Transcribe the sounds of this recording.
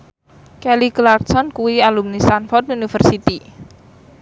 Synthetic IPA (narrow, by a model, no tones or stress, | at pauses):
kɛliklarsɔnkuwialumnist̪anfɔrt̪unifərsit̪i